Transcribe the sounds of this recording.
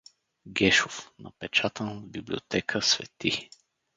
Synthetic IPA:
ɡɛʃofnɐ̰pɛt͡ʃat̪ənbiblʲio̰t̪ɛkʰəsvɛ̰t̪i

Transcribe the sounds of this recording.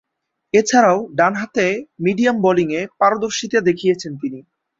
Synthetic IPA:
et͡ɕʰaɾaoɖanɦat̪emiɖijamboliŋepaɾod̪oɾʃit̪ad̪ekʰijet͡ɕʰent̪ini

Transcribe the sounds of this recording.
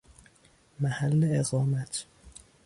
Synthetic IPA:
mæhælːeeɣɒːmæt̪ʰ

